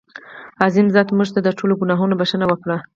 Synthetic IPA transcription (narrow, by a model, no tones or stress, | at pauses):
azinzɑt̪muʐt̪ad̪əʈʰoloɡunɑɦunobaʃənawəkɽa